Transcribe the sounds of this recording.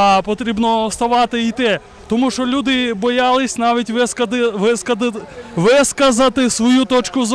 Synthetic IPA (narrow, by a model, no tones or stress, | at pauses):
pɔt̪ɾʲibnɔst̪ɐʋɑt̪ɪit̪ɛ | t̪ɔmuʃt͡ʃɔlʲud̪ɪbɔjɑlˠɪsʲnaʋʲitʲʋɪkɐɪskɐʋɪskɐzɐt̪ɪsʋɔjut̪ɔt͡ʃkʊz